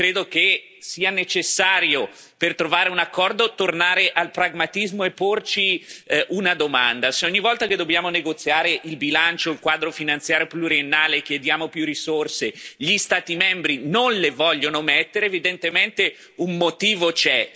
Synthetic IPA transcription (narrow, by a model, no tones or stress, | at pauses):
kɾeːd̪oke | siːanet͡ʃesːaːɾjo | pert̪ɾovaːɾeunakːɔrd̪ot̪ornaːɾeʔalpɾaɡmat̪izmoepːort͡ʃiʔunad̪omand̪aseɔɲːivɔlt̪aked̪ːobjaːmoneɡot̪sjaːɾeʔilbilant͡ʃoilkwaːd̪ɾofinant̪sjaːɾjopluɾienːaːlek̟jed̪jaːmopjurːisorseʎist̪aːt̪imɛmbɾinonlevɔʎːonomet̪ːeɾeːvid̪ent̪ement̪e | ummot̪iːvot͡ʃɛ